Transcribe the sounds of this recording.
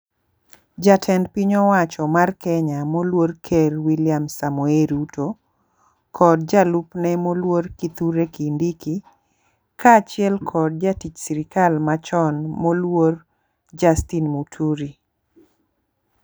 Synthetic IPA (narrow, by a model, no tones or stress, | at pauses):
d͡ʒatʰɛndpiɲɔwat͡ʃɔmarkɛɲamolworkʰɛrwiljamsamueɾuto | kʰɔdd͡ʒalupnɛmolworkit̪uɾekindiki | kaːt͡ʃɪɛlkʰɔd̚d͡ʒatit͡ʃsiɾikalmat͡ʃɔnmolwor | d͡ʒastinmutʰuɾi